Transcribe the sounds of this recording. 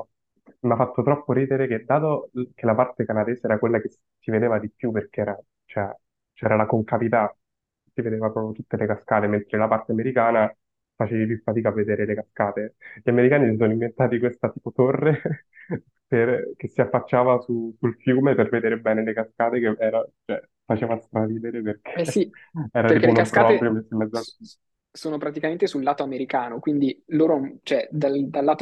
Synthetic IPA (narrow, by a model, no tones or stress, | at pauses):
mafːat̪ːot̪ɾɔpːoɾiːd̪eɾeked̪ːaːt̪okelapart̪ekanad̪eːzeɛːɾakwelːak̟es | sived̪eːvad̪ipjupːerk̟eɛːɾa | t͡ʃɛ | t͡ʃɛːɾalakoŋkavit̪a | sived̪eːvapɾɔːpjot̪ut̪ːelekaskaːt̪ement̪ɾelapart̪eameɾikaːna | fat͡ʃeːvipjufːat̪iːkavːed̪eːɾelekaskaːt̪eʎameɾikaːnisisɔnoiɱvent̪aːt̪ikwest̪at̪iːpot̪orːe | perk̟esːiafːat͡ʃːaːvasusulfjuːmeperved̪eːɾebɛːnelekaskaːt̪ekeʔɛːɾat͡ʃoɛ | fat͡ʃeːvast̪ɾaviːd̪eɾeperkʰesiɛːɾadeɾikeeunapkaːɔːepɾjomɛsoimːɛd̪zoa | soːnopɾat̪ikament̪esulːaːt̪oameɾikaːnokwind̪iloːɾot͡ʃoɛd̪ald̪alːaːt̪